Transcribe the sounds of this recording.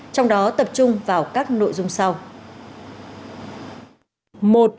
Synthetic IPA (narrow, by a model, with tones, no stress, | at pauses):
t͡ɕɔ˧wŋ͡mɗɔ˨˦t̪ə˨˩p̚t͡ɕʊ˧ŋ͡mvaː˨˩wkaː˦˥k̚no̰˧˨jzʊ˧ŋ͡msa˧w | mo˨˩t̚